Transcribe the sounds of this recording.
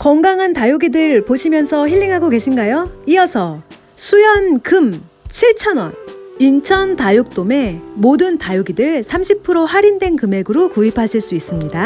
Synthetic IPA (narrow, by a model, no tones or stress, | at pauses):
kʌŋɡaŋɦantajoɡidɯɭpoɕʰimjʌnsʰʌçiʎːiŋɦaɡoke̞ɕʰinɡajoiʌsʰʌ | sʰujʌnkɯm | t͡ɕʰiɭt͡ɕʰʌnwʌ̰nint͡ɕʰʌntajuk̚t͈ome̞modɯntajuɡidɯɭsʰamɕʰipʰɯɾohaɾindwe̞nkɯme̞ɡɯɾokuipʰaɕʰiɭs͈uis͈ɯmɲida